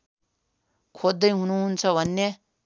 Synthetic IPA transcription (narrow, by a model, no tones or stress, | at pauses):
kʰod̪ːʌjɦunuɦunt͡sʰʌbʱʌnːe